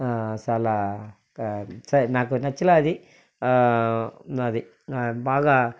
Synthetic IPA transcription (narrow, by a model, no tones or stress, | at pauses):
saːla | sɐnaːk̬unɐt͡ʃːulaɐd̪i | ɐd̪i | baːɡa